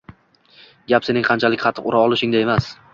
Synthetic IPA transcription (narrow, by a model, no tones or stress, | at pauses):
ɡʲapse̞nɪŋqʰɑnt͡ʃʰalɪkʲχʰɑt̪ʰɨqʊɾaɒlˠɪʃɪŋd̪ae̞mas